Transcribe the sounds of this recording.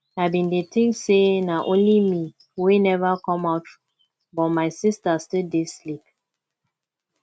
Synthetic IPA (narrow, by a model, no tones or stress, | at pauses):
abĩndetʰɪ̃ŋksenaʔõnlimi | wenɛvakɔ̃maʊt | bɔt̚maɪsistastildeslip̚